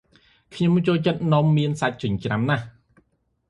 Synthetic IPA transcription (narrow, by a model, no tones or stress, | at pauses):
kʰɲomt͡ɕoːlt͡ɕət̪̚nŏəmːiənsac̚t͡ɕɨɲt͡ɕramnah